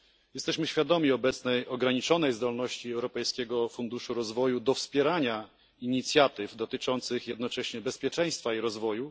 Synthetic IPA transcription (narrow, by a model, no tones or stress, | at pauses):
jɛst̪ɛɕmɘɕfʲjad̪ɔmʲiɔbɛt̪snɛjʔɔɡɾaɲit͡ʂɔnɛjzd̪ɔlnɔɕt͡ɕiɛwɾɔpɛjskʲɛɡɔfund̪uʂuɾɔzvɔjud̪ɔfspʲjɛɾaɲa | iɲit̪sʲjat̪ɘvd̪ɔt̪ɘt͡ʂɔnt̪sɘxjɛd̪̚nɔt͡ʂɛɕɲɛbɛspʲjɛt͡ʂɛj̃st̪faiɾɔzvɔju